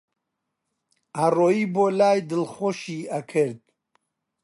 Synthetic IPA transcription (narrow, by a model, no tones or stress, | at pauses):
aroibolaːjd̪əlχoʃiːakʰəɾd̪̚